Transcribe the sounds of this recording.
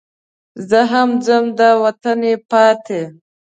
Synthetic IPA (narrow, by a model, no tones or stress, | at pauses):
zəɦamd͡zəmd̪awat̪anepɑt̪ʰe